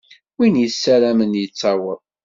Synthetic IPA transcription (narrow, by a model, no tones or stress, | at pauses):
winjəsːælæmənjət͡sːɑwəðˤ